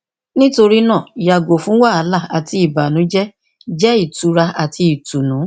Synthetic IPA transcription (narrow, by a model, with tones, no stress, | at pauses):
nĩ˦to˧ɾi˦nãː˦˨ja˨ɡo˨fũ˨˦wa˦˨a˨˦la˦˨a˨ti˧˦i˨ba˨nũ˨˦d͡ʒɛ˦ | d͡ʒɛ˦i˦˨tu˨˦ɾa˧a˨ti˧i˨tu˨nũ˨˦